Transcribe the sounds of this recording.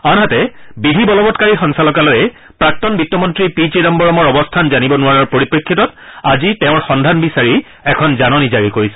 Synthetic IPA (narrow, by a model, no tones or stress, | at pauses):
anɦatɛbibʱibɔlɔbɔtkaɹixɔŋsalɔkalɔjɛ | pɹak̚tɔnbitːɔmɔntɹipid͡ʒinɔmbɔɹɔmɔɹɔbɔstʰanzanibɔnʊaɹɔɹpoɹipɹikʰːitɔtazitɛʊ̃ɹxɔndʱanbisaɹi | ɛkʰɔnzanɔnizaɹikoɹisɛ